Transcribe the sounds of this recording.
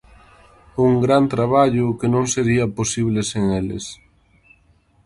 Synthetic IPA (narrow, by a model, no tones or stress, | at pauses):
uŋɡɾant̪ɾaβaʎʊkenõŋseɾiɐposiβleseŋelɪ̰s